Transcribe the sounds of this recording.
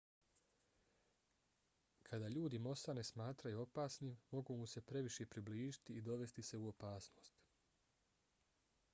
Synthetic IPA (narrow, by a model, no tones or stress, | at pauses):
kʰad̪aːʎuːd̪imo̞sanesmaːt̪ɾajuo̞paːsniːmmo̞ɡumuse̞pɾe̞ʋiʃepɾibliːʒi̥t̪iːd̪o̞ʋe̞st̪ise̞uo̞paːsnoːst̪